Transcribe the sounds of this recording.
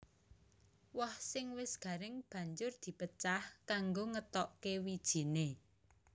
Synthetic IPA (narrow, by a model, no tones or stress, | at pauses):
wɔhsɪŋwɪsɡ̥ä̤ɾɪŋb̥ä̤ɲd͡ʒʊrd̪̥i̤pət͡ʃahkaŋɡoŋət̪ɔʔkewid̥ʒ̥i̤ne